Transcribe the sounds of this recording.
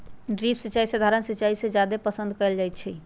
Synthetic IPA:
ɖɾipsit͡ʃaisəd̪ʱaɾənsit͡ʃaisẽd͡ʒad̪epəsə̃nd̪ʱkɛɪld͡ʒajt̪t͡ʃʰi

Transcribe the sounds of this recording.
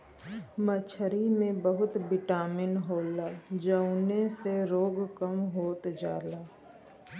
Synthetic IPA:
mət͡ʃʰəɾimẽbəɦʊt̪bɪʈaːmɪnɦoːlaːd͡ʒəʊneseɾoːɡkəmɦoːt̪d͡ʒa̰ːlaː

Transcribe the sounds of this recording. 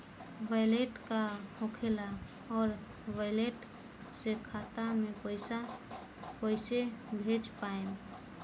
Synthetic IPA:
ʋajleʈkahõkʰela | ɔːɾ | ʋaɪleʈ | sekʰat̪amẽpəɪsa | pəɪsebʱet͡ʃpaem

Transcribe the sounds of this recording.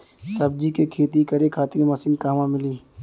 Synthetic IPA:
sɐb̚d͡ʒikekʰeːt̪ikɐɾekʰaːt̪iɾmɐsɪ̃ŋkaːmãmɪliː

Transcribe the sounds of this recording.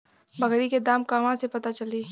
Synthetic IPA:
bɐɡɾiked̪aːmkaʋãsepɐt̪at͡ʃɐliː

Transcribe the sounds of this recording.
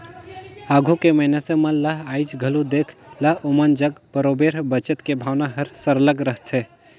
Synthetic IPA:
aːɡʱukemɐɪneseməllaɦaːit͡ʃɡʱəlud̪eːkʰlaɦomənd͡ʒəɡpəɾoːbeːɾbət͡ʃət̪kebʱaːwnaɦɐɾsəɾləɡɾəɦt̪ʰe

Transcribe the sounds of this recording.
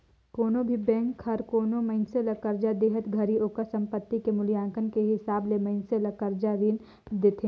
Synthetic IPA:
koːnõbʱibɛ̃ːŋkhɐɾkoːnomɐɪnselɐkəɾd͡ʒad̪eːɦət̪ɡʱɐɾiʔoːkasɐ̃mpət̪ːikemʊljãːŋkənkeɦɪsaːblemɐɪnselɐkəɾd͡ʒaɾin | d̪eːt̪ʰe

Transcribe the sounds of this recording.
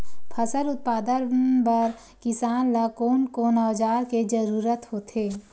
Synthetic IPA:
pʰɐsəɾʊt̪̚paːd̪əɾbəɾ | kɪsaːnlakoːnkonaːd͡ʒaːɾked͡ʒəɾuːɾət̪hoːt̪eː

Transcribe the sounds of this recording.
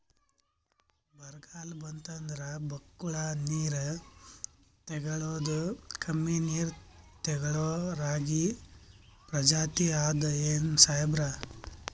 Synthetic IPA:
bɐɾɡaːlbɐnt̪ɐnd̪ɾɐbɐkːuɭaniːɾ | t̪ɛɡɐɭoːd̪ukʰɐmːiːniːɾt̪ɛɡɐɭoːɾaːɡi | pɾɐd͡ʒaːt̪iaːd̪ɐeːnsajbɾa

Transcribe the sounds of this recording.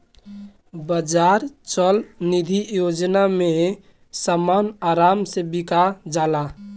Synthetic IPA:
bəd͡ʒaɾt͡ʃəlnid̪ʱijod͡ʒname | samanaɾamsẽbikad͡ʒala

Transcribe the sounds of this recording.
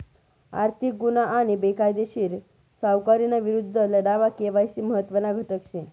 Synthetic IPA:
a̰ɾt̪ʰik̚ɡunaʔːɽ̃ibekajd̪eɕiːɾ | sawkaɾinaʋiɾud̪ʱːələɽaʋakeʋajsiməɦət̪ːʋənaɡʱəʈəkɕẽ

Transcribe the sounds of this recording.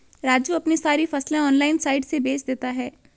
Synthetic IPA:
ɾaːd͡ʒjuɐpnisaːɾifɐslẽɔːnlaːɪnsaːɪʈsebeːt͡ʃd̪eːt̪aɦɛː

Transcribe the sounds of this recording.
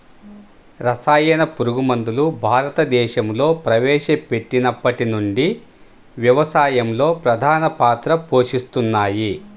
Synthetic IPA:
ɾɐsaːjɐnɐpuɾuɡumɐnd̪ulubʱaːɾɐt̪ɐd̪ɛːʃɐmlo̞ːpɾɐʋɛːʃɐpe̞ʈːinɐpːɐʈinuɳɖi | ʋjɐʋɐsaːjɐmlo̞ːpɾɐd̪ʱaːnɐpaːt̪ɾɐpo̞ːʂist̪unːaːji

